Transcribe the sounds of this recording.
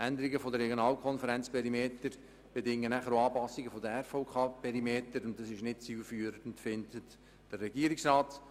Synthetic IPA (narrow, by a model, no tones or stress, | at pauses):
ʔænd̪əɾiɡəfodəɾɛɡjonɑːlkʰɔnfəɾɛnt͡spʰɛɾimeːt̪əɾ | b̥edɪŋːənæχəɾoɑːpɑsːiɡəfod̪əɛɾfɔʊkʰɑːpʰɛɾimeːtəɾʊntdɑsɪʃnɪt̚t͡siːlfyːɾəntfɪnd̪ət | d̥ərːɛɡiːəɾɪksrɑːt